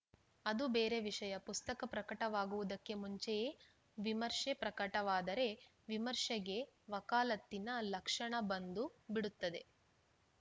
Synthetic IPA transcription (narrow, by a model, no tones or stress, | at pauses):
ɐd̪ubeːɾe̞ʋiʂɐjɐpust̪ɐkɐpɾɐkɐʈɐʋaːɡuʋud̪ɐkːe̞muɲt͡ʃejeː | ʋimɐɾʂepɾɐkɐʈɐʋaːd̪ɐɾe̞ | ʋimɐɾʂɛɡe̞ʋɐkaːlɐt̪ːinɐlɐkʂɐɳɐbɐnd̪ubiɽut̪ːɐd̪e̞